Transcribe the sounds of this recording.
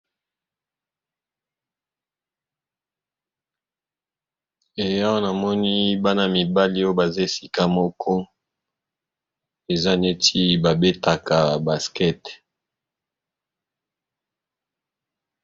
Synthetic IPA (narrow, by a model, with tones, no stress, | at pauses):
e˨ja˦wo˦na˨mɔ˦ni˦ba˦na˦mi˨ba˦li˦o˦ba˨za˦e˨si˦ka˦mɔ˦kʰɔ˦ | e˨za˦˨ne˦ti˦ba˨be˦ta˨ka˨ba˨skɛ˦t